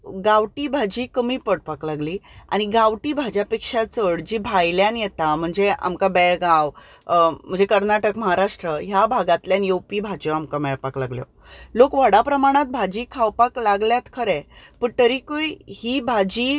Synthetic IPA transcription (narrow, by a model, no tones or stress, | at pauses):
ɡaʋʈiːbʱad͡ʑiːkəmiːpəɽpaklaɡliːa̰ɽ̃iɡaʋʈiːbʱad͡ʑapekʂat͡səɽd͡ʑiːbʱajljanjɛt̪am̤əɳd͡zea̰mkabɛɭɡaw | m̤əɳd͡zekəɾnaʈəkməɦaɾaʂʈɾəɦjabʱaɡat̪ljanjewpiːbʱad͡ʑoamkamɛɭpaklaɡljo̰ | lokʋəɽapɾəmaɽ̃at̪̚bʱad͡ʑiːkʰawpaklaɡljat̪kʰəɾɛ | pəɳt̪əɾikojhibʱad͡ʑiː